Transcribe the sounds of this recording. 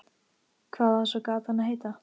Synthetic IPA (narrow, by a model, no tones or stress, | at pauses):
kʰvaːðasɔkaːt̪hanaɦeːjt̪a